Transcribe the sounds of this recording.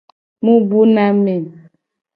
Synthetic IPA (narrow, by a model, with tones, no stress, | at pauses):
mũ˦bu˦na˦me˨